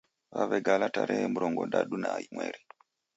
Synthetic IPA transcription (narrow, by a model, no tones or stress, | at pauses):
βaβɛɡalataɾʔɛɛmuɾɔŋɡɔndaɗunaimwɛɾi